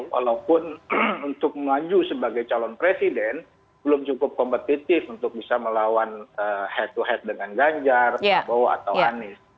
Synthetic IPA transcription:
wa̰laupʊnunt̪ʊk̚məlad͡ʒusəbaɡajt͡ʃalɔnpɾesidɛn | b̥əlʊmt͡ʃukʊp̚kɔmpət̪it̪ɪfunt̪ʊk̚bisaməlawanəhɛt̪̚uɦɛt̪̚dəŋanɡaɲd͡ʒarabawa̰t̪awanɪs

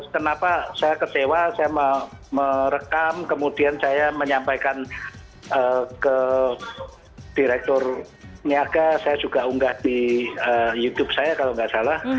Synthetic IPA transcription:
kənapasajakət͡ʃewasajaməməɾəkamkəmudiansajaməɲampajkan | əkə | d̥iɾɛk̚t̪ʊr | niaɡasajad͡ʒuɡauŋɡahd̥iəjut̪ʊb̥̚sajakaloŋɡaʔsalah

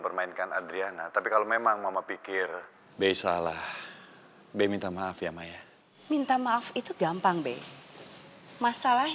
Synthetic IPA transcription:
pərmainkanadɾianat̪apikalomemaŋmamapikɪr | bejsalah | bemint̪amaafjamaja | mint̪amaafit̪uɡampaŋbe | masalah

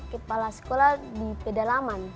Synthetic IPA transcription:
kəpalasə̥koladipɛdalaman

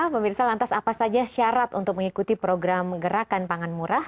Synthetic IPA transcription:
pəmirsalant̪asapasad͡ʒaʃaɾat̪ṵnt̪ʊk̚məŋikut̪ipɾoɡɾamɡəɾakanpaŋanmuɾah

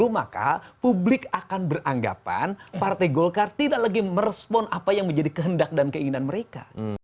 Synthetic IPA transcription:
umaka̰publɪkakanbərʔaŋɡa̰pa̰npart̪ajɡɔlkart̪idaʔlaɡiməɾəspɔnʔapajaŋməɲd͡ʒadikəɦəndak̚dankəiŋinanməɾeka̰

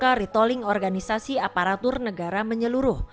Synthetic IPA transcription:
kaɾit̪ɔlɪŋɔrɡanisasiapaɾat̪ʊrnəɡaɾaməɲəluɾʊh

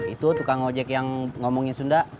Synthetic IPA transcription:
it̪ut̪ukaŋod͡ʒɛkjaŋŋomɔŋisunda

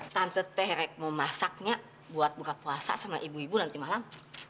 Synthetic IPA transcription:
t̪ant̪ət̪ɛhɾɛk̚momasak̚ɲa | buat̪̚bukapuasa̰samaʔibuibunant̪imalam

